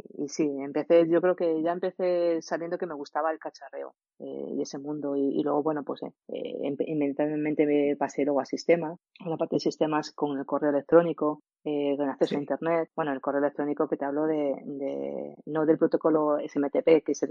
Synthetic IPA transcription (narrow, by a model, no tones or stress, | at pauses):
ḭsiempe̞θe̞ʝo̞kɾe̞oke̞ʝaempe̞θe̞saβjend̪o̞ke̞me̞ɣ̞ust̪aβaelkat͡ʃare̞̰o̰ | ḛje̞se̞mũnd̪oiḭlwe̞ɣ̞o̞βwe̞nopwe̞sḛḛmpiment̪aβlemẽnt̪e̞epase̞lwe̞ɣoasist̪e̞ma | lapaɾt̪eesist̪e̞masko̞ŋe̞lko̞re̞o̞elek̚t̪ɾo̞niko̞ | ekonakθe̞soaint̪e̞ɾne̞t̪̚bwe̞noelko̞reoelek̚t̪ɾo̞niko̞ke̞t̪eaβlo̞ðe̞d̪ḛno̞ðe̞lpɾo̞t̪o̞ko̞lo̞esemet̪epe̞kese